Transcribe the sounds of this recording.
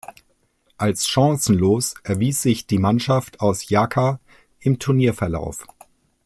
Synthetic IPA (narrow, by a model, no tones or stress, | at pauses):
ʔalsʃɑ̃ŋsn̩loːsʔɛɐviːsz̥ɪçd̥iːmanʃaftʰaʊsjaːkʰa | ʔɪmtʰʊɐniːɐfɛɐla̰ʊf